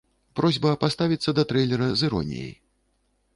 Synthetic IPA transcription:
pɾɔzʲbɐpast̪avʲit̪sːɐd̪ɐt̪ɾɛjlʲɛɾɐzɨɾɔ̰nʲḭjḛj

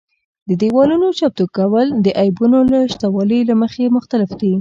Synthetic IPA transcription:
d̪əd̪iwɑlunot͡ʃap̚t̪okawəld̪əʔajbunolaʃt̪awɑləjlaməxemʊxt̪alɪfd̪i

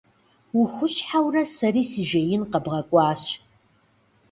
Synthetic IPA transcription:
wʊxʷʊɕʼħawrɐsɐriːsiʒɐjɪnqɐbʁɐkʷʼɑːɕ

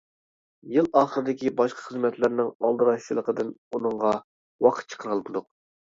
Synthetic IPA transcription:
jɪlˠɑːχəɾɨd̪ɪkʲibɑʃqʰɑ̥χəzmɛt̪lɪɾnɪŋɑlˠd̪ɨɾɑʃt͡ʃilˠəqəd̪ɨnunɨɴʁɑ | wɑqʰə̥t̪̚t͡ʃʰə̥qʰəɾɑlˠpʰd̪ʊq̚

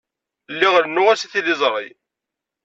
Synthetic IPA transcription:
lːiʁəɾənːʊʁæsiθilɪzˤɾˤḭ

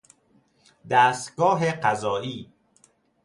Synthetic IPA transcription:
d̪æːst̪ɡɒːɦeqæzɒːʔiː

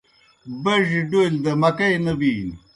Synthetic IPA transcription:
bɐʑɖold̪ɐmɐkɐjnɐbiːn

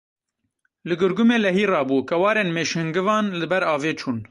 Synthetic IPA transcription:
lɨɡɨɾɡumeːlɛɦiːrɑːbuːkɛwɑːɾeːnmeːʃhɨŋɡɨvɑːnlɨbɛɾɑːveːt͡ʃʰuːn

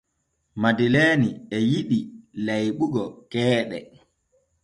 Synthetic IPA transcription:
madileːniɛjiɗilajɓuɡɔkɛːɗɛ̰

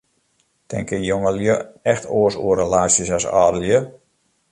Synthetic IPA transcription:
tʰɛ̰ŋkəjoŋəljəɛxtʰoəsṵərɾəlaːsjəsasɔ̰ːdəljə

